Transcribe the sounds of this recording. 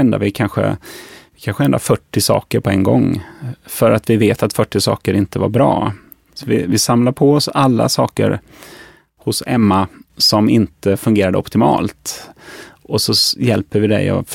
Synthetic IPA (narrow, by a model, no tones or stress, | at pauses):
ɛnd̪a̰vɪkʰanɧə̰ | kʰanɧəɛnd̪afœʈːɪsɑ̰ːkəɾpʰɔɛŋɡɔŋːfœɾat̪vɪveːt̪at̪fœʈːɪsɑ̰ːkəɾɪnt̪əva̰ɾbɾɑː | sɔvɪvɪsamlaɾpʰɔɔsalːa̰sɑːkə̰ɾ | hʊsɛmːasɔmɪnt̪əfɵŋɡeːɾad̪əɔpt̪ɪmɑ̰ːlt̪ | ʔɔsɔjɛlpəɾvɪd̪ɛ̰jɔ̰